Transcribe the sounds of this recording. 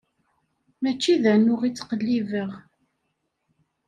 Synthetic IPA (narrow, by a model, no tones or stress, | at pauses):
mæt͡ʃːiðænʊʁit͡sːqəlːivəʁ